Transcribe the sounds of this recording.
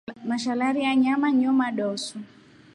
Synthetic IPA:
maʃalaɾijaɲamaɲɔmaɗɔsu

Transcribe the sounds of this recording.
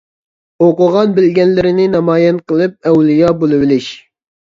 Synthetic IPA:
oqʊʁɑnbɪlɡʲɛnlɪɾɪnɪnɑmɑːjɛnqəlˠɨp̚ɛwlijɑbolˠɨwɪlɪʃ

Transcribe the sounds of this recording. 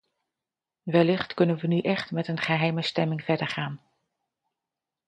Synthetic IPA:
ʋɛlɪχtkɵnənʋənyʔɛχtmɛtənχəɦɛjməstɛmɪŋv̥ɛɹdəɹχaːn

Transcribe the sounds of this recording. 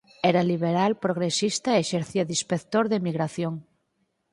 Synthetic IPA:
ɛɾaliβ̞eɾalpɾoɣ̞ɾesist̪aeʃeɾθiaðispekt̪oɾðemiɣɾaθjoŋ

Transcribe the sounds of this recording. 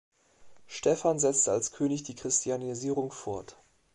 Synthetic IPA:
ʃtɛfanzɛt͡stəalskʰøːnɪçd̥iːkʁ̥ɪstʰianiziːʁʊŋfɔɐt

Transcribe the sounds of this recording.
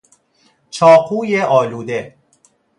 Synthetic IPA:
t͡ʃʰɒːqʰuːjeʔɒːluːd̪e̞

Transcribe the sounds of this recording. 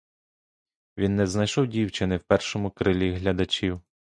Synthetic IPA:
ʋʲinːɛznɐjʃɔwdʲiwt͡ʃɪnɪwpɛrʃɔmʊkɾɪlʲiɦlʲɐd̪ɐt͡ʃʲiw

